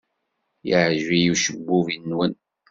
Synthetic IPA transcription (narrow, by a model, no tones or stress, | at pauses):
jəʕʒvijuʃəbːuvinːwən